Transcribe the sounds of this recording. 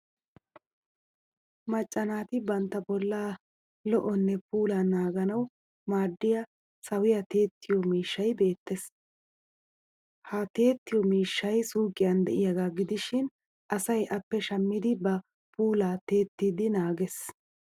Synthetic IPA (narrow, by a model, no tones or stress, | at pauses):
mɐt͡ʃʼːɐnaːt̪ɪbɐnt̪ːɐbɔlːaː | lɔʔɔnːɛpuːlaːnaːɡɐnɐw | maːd̪ːɪja | sɐwɪjɐt̪e̞ːt̪ːɪjɔmiːʃːɐjbe̞ːt̪ːes | hɐt̪e̞ːt̪ːɪjɔmiːʃːɐjsuːkʼːɪjɐnd̪ɛʔɪjɐɡaːɡɪd̪ɪʃɪn | ʔɐsɐjʔɐpːɛʃɐmːɪd̪ɪbɐ | puːlaːt̪e̞ːt̪ːiːd̪ɪnaːɡɛs